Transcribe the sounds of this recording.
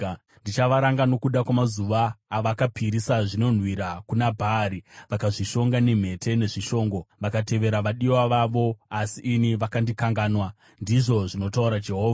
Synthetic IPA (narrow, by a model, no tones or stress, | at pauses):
ndit͡ʃaʋaɾaŋɡano̞kuɗakwamazuʋaːʋakapʰiɾisaʐino̞n̤wiɾakunabʱaɾiʋakaʐiʃo̞ŋɡanem̤e̞te̞ne̞ʐiʃo̞ːŋɡo̞ʋakate̞ʋe̞ɾaʋaɗiwaʋaʋo̞asiʔːniʋakandikaŋɡaːnwa | ndiʐo̞ʐino̞tauɾad͡ʒe̞ɦo̞ːva